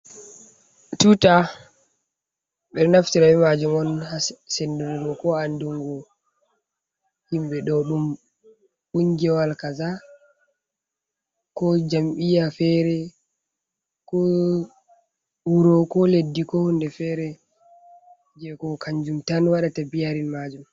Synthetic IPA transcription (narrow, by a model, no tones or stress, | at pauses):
tuta | ɓɛɾnaftiɾawɛmad͡ʒumɔnhasenduɾuɡɔkɔanduŋɡɔ | himɓɛɗɔɗum | ɓund͡ʒɛwalkaza | kɔd͡ʒamɓijafɛɾɛ | kɔ | wuɾɔkɔledːikɔhundɛfɛɾɛ | d͡ʒɛkɔkaɲd͡ʒumtanwaɗatabijaɾinmad͡ʒum